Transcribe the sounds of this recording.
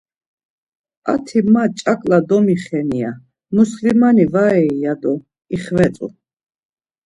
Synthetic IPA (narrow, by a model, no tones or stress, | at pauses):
a̰t̪ʰimat͡ʃʼakʼlad̪ɔmiχɛnia | muslimanivaɛijad̪ɔ | iχvɛt͡s̪ʼṵ